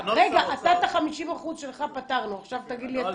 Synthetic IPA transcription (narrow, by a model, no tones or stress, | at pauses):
ʁeɡaʔat̪at̪aχamiʃimaχuzʃe̞lχapat̪aʁnuaχʃavt̪aɡid̪liat